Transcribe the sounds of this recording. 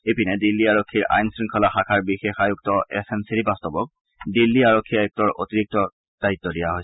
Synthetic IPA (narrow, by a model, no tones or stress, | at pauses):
epinɛdilːiaɹokʰːiɹʔa̰jnsɹiŋkʰɔlaxakʰaɹbixexajuk̚tɔʔɛ̰semsiɹibastɔbɔk̚ | dilːiaɹokʰːiajuk̚tɔɹo̰t̪iɹik̚tɔ | d̥ait̪ːɔdijaɦoj